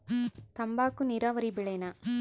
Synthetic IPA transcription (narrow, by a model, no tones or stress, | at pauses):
t̪ɐmbaːkːuniɾaːʋɐɾibiɭɐjnɐ